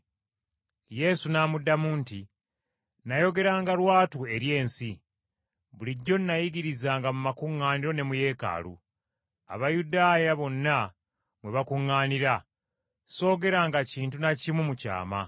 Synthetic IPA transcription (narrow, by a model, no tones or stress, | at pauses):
je̞sunaːmudːamuːnti | najo̞ɡe̞ɾaːŋɡalwaːtue̞ɾje̞ːnsi | βuliɟːo̞nːajiɡiɾizaːŋɡamumakuŋːaːniɾo̞ne̞muje̞ːka̰ːlṵ | a̰βajudaːjaβo̞nːa | mwe̞βakuŋːaːniɾa | so̞ːɡe̞ɾaːŋɡaciːntunacimumuca̰ːma̰